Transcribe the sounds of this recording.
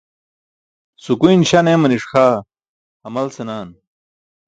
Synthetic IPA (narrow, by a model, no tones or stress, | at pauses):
sukuinɕɐnemɐniʂxaː | ɐmɐlsenaːn